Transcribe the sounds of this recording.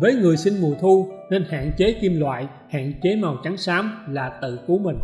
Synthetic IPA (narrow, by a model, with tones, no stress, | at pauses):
vəː˨˦jŋɨ˨˩əjsï˧ŋmu˨˩ət̪ʰu˧ne˧nha̰ː˧˨nt͡ɕe˨˦ki˧mlwa̰ː˧˨j | ha̰ː˧˨nt͡ɕe˨˦ma˨˩wt͡ɕa˨˦ŋsaː˨˦mlaː˨˩t̪ɨ̰˧˨ku˨˦mï˨˩ŋ̟